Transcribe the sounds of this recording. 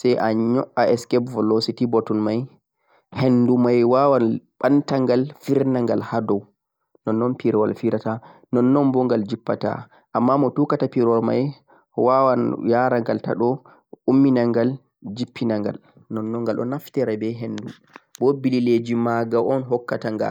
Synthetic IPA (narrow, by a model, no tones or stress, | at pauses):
sɛjʔaɲɔʔaɛskɛpvɔlositibɔtunmaj | henːdumajwawanɓantaŋɡalfiɾnaŋɡalhadɔw | nɔnːɔnpiɾwalfiɾatanɔnːɔnbɔŋɡald͡ʒipːata̰ | ʔamːamɔtukatapiɾwalma̰j | wawanjaɾaŋɡalta̰ɗɔ | umːinaŋɡal | d͡ʒipːinaŋɡa̰l | nɔnːɔŋɡalɔ̰naftɛɾabɛɦenːdu | bɔbililed͡ʒimaɡaʔɔnɦɔkːataŋɡa̰